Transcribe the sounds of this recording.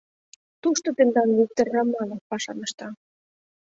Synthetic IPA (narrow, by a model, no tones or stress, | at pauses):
t̪uʃt̪ŏt̪end̪ɑnluk̚t̪erːɑmːɑlɑpɑʃɑnɤ̆ʃt̪ɑ